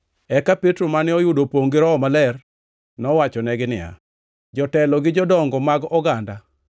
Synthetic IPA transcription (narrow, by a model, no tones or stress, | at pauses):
ɛkapetɾomanɪɔjudopoŋɡɪɾɔːmalɛr | nɔwat͡ʃɔnɛɡɪnɪ̰a̰ | d͡ʒɔtɛlɔɡɪd͡ʒɔdɔŋɡɔmaɡɔɡanda